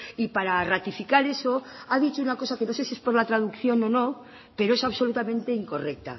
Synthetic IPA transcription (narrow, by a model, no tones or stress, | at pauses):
ipaɾarat̪ifikaɾe̞so̞aðit͡ʃounako̞sake̞no̞se̞siespo̞ɾlat̪ɾaðukθjo̞no̞no̞ | pe̞ɾo̞e̞saβso̞lut̪amẽ̞nt̪e̞iŋko̞re̞k̚t̪a̰